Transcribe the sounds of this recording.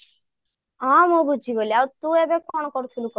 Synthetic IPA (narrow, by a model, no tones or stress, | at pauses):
amoɡud͡ʑiɡoliawt̪uebekɔnkɔɾt̪ʰulukɔ